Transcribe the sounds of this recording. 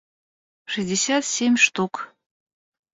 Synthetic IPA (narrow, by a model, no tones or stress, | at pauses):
ʂɨzʲdʲɪsʲat̪sʲemʲʂt̪uk